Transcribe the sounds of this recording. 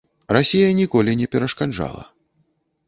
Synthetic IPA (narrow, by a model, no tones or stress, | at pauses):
rasʲijɐnʲikɔlʲinʲɛpʲɛɾɐʂkanʐa̰lˠɐ̰